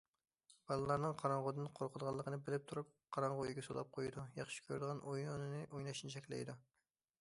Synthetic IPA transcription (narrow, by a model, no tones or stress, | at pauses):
b̥ɑlˠɨlˠɑɾnɨŋqʰɑɾɑɴʁod̪ɨnqʰoɾqʰʊd̪əʁɑlˠːəqʰənɨbɪlɪp̚t̪ʰuɾup̚qʰɑɾɑɴʁoɡʲɛsolˠɑ̰p̚qʰojd̪ujɑχʃi̥kʲʰøɾd̪əʁɑnʔojunɨnɨʔojnɑʃnɪt͡ʃʰɛkʲlɪ̰jd̪u